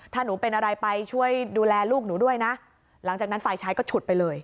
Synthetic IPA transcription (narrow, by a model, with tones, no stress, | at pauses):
t̪ʰaː˥˩nuː˩˦pe˧nʔa˧ɾa˧jpa˧jt͡ɕʰu˥˩əjduː˧lɛː˧luː˥˩k̚nuː˩˦du˥˩əjna˦˥ʔ | la˩˦ŋt͡ɕaː˨˩kna˦˥nfaː˨˧jt͡ɕʰaː˦˥jkɔː˥˩t͡ɕʰu˨˩t̪̚pa˧jlɤː˧j